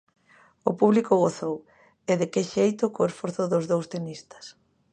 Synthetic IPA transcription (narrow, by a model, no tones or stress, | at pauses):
ʊpuβlikʊɣoθow | eðɪkɪʃejt̪ʊkoesfoɾθʊðʊzðowst̪enist̪ɐ̥s